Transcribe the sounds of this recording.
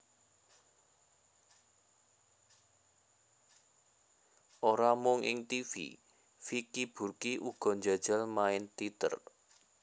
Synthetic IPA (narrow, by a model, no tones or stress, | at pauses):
ʔoɾamʊŋʔɪ̰ŋt̪ifḭ | fikib̥ṳrkiʔuɡ̥ɔ̤ɲd͡ʒad̥ʒ̥əlmaɪnt̪it̪ə̰r